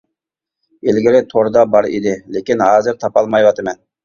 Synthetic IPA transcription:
elɡʲɪɾɪt̪ʰoɾd̪ɑbɑɾḛd̪ɪlekʲɪnhɑːzɪɾt̪ʰɑpɑlˠmɑjwɑt̪ɨmɛn

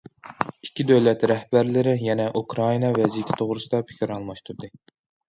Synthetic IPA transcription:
i̥kʲʰːid̪øwlɛt̪ɾɛhbæɾlɪɾɪjɛnɛʔukɾɑinɑvɛzijit̪ʰɪ̥t̪ʰoʁɾɨsɨd̪ɑpʰɪ̥kʲiɾɑlˠmɑʃt̪ʰuɾd̪ɨ

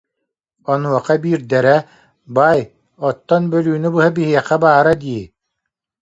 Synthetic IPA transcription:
ɔnuɔqabiːɾd̪ɛɾɛ | baj | ɔt̪ːɔnbœlyːnybɯɦabiɦiɛqɛbaːɾad̪iː

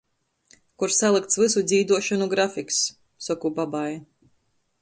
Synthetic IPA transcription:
kuɾsalˠɨk̚t̪svɨsud̪zʲiːd̪uɔʃanuɡɾafiksː | ɔkubabaja

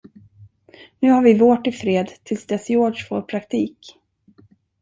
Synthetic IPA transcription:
nʉ̟ːhaɾvɪvoːʈɪfɾeːd̪t̪ʰɪlsd̪ɛsjoːɖʂfoːɾpʰɾakt̪ʰiːk

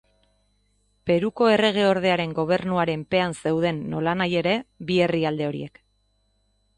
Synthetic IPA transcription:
pe̞ɾuko̞e̞re̞ɣ̞e̞o̞ɾðe̞aɾe̞ŋɡo̞β̞e̞rnuaɾe̞mpe̞anse̞wð̞e̞nːo̞lanaje̞ɾe̞βie̞riald̪e̞o̞ɾḭe̞k

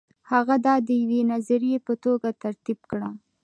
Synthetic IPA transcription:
haɣad̪ɑd̪əjawenazaɾijepət̪oɡat̪aɾt̪ibkɽa

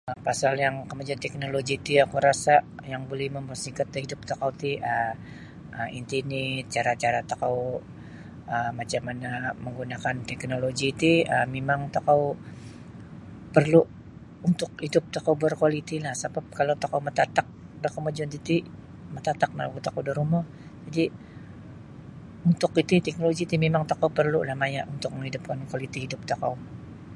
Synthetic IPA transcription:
əpasaljaŋkəmad͡ʒuant̪ɛk̚noloɡit̪iakuɾasajaŋbolɛhməmbərsikat̪ːhidʊp̚t̪okawt̪iə | əḭnt̪init͡ʃaɾat͡ʃaɾat̪akaw | əmat͡ʃamanaməŋɡunakant̪ɛk̚noloɡit̪iəmemaŋt̪okaw | pərlu | unt̪ʊkhidʊp̚t̪okawbərkwalit̪ilahsabap̚kalowt̪akawmət̪at̪ak̚bərkowməd͡ʒʊnt̪it̪i | mət̪at̪ak̚ma̰lukut̪akawdiɾumɔh | d͡ʒadi | unt̪ʊkit̪it̪ɛk̚noloɡit̪imemaŋt̪akawpərlulahmajaʔunt̪ʊk̚məŋhidʊp̚kankualit̪ihidʊp̚t̪aka̰w

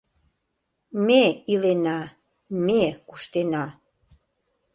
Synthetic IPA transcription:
meilenɑ | mekuʃt̪enɑ

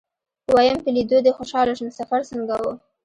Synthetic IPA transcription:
wajampəlid̪od̪əxoʃɑlaʃnsafaɾsəŋɡawo

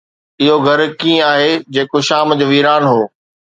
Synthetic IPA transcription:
ɪɦoɡʱɐɾkĩːaːɦed͡ʑeːkoʃaːmd͡ʑoːʋiːɾaːnɦoː

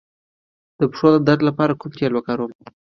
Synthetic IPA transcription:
d̪̥əpʂod̪əd̪aɾd̪lapɑɾakumkelwəkaɾum

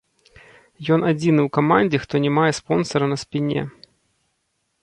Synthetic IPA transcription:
jɔnad͡zʲinɨwkamanʲd͡zʲɛxt̪ɔnʲɛmajɛspɔnsɐɾɐnɐspʲinʲɛ̰

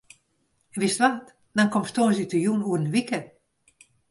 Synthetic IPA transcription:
ʋɪstʋat | dɔnkɔmstonsitəjunuərənʋikə

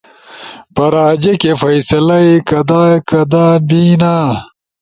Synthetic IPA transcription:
pɐɾaːd͡ʑekefɐjsɐlɐikɐd̪aːkɐd̪aːbiːnaː

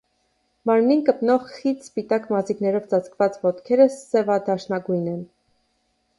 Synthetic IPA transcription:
mɑɾmninkəpnɔʁχit̪spit̪ɑkmɑziknɛɾɔvt͡sɑt͡sʰkvɑt͡svɔt̪kʰɛɾəsɛvɑd̪ɑʃnɑɡujnɛn

